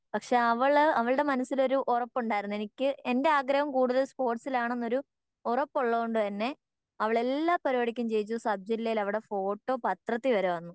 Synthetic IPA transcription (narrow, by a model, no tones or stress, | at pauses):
pɐkʂe̞ːɐʋɐɭɐʋɐɭɨɽe̞mɐnɐsːilo̞ɾuʔorɐpːuɳɖaːjiɾunːue̞nikʲːɨe̞nde̞aːɡɾɐɦɐmkuːɽuðɐlspo̞ːrʈsilaːɳe̞nːo̞ɾu | urɐpːoɭːɐðoɳɖɨt̪ɐnːe̞ | ɐʋɐɭe̞lːaːpːɐɾiʋɐɽikʲːɐmt͡ɕe̞jt͡ɕːusɐb̚d͡ʑɐlejilɐʋiɽe̞fo̞ːʈːo̞ːpɐt̪rɐt̪ːiʋɐɾeʋɐnːu